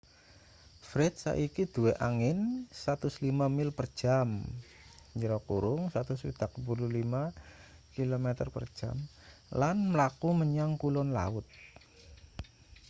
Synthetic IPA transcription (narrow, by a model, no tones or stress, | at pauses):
fɾɛt̪̚sa̰ʔikid̪̥ueʔaŋɪnsat̪ʊslimamɪlpər̥ʒ̥am | ɲd͡ʒəɾɔkuɾʊŋsat̪ʊswḭd̪̥akəpululima | kilomɛt̪ərpər̥ʒ̥a̰m | lanməlakuməɲaŋkulɔnla̰ʊt̪̚